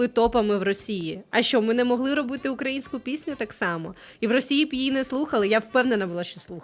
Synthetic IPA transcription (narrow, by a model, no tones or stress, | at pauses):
ɪt̪ɔpɐmɪwrɔsʲijiɐʃt͡ʃɔbmɪnɛmɔɦlˠɪɾɔbɪt̪ɪʊkɾɐjinʲsʲkʊpʲisʲnʲʊt̪ɑksɑmɔ | iwrɔsʲijipjjinɛslˠuxɐlˠɪjawpɛwnenɐbʊlˠaʃt͡ʃɔslˠu